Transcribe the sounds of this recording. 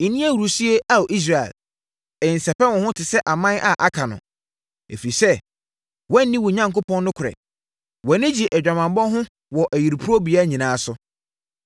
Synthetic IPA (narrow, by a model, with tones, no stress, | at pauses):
i˨nĩ˦æ˦wu˨ɾu˨si˦e˦a˦wʔi˦s̬ɾa˨ɛ̰˨l | ɛ˨n̩˨sɛ˨pɛ˦wɔ̃˨hʊ̃˦tʰɪ˨sɛ˦ʔa˨mã˦nʔa˨ʔa˨kʰã˨nʊ̰̃˨ | ḛ˨fi˨sɛ˦ | wɛ̃˦n̩˦nĩ˦wɔ˨ɲã˨˦ŋko˦pɔ̃˦nː˦ʊ̃˦kʰʊ˨ɾɛ̰˨ | wɔ˨nɪ̃˦d͡ʑi˨ʔɛ˨d͡ʑᶣa˨mã˨mbɔ̃˦ɦʊ̃˦ | wɔ˨ʔæ˨ji˨ɾpʰu˦ɾo˦bi˨a˦˨ɲĩ˨nãː˨˦sʊ˨